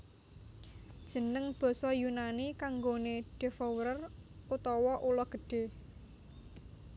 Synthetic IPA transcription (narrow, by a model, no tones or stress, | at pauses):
d̥ʒ̥ə̤nəŋb̥ɔ̤sɔjunanikaŋɡoneɖ̥e̤fɔwɾərut̪ɔwɔʔulɔɡ̥ə̤ɖ̥e̤